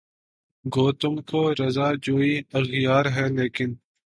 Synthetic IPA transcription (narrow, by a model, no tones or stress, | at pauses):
ɡoːt̪ʊmkoːɾɐzaːd͡ʒoːiɐxjaːɾɦɛːleːkɪn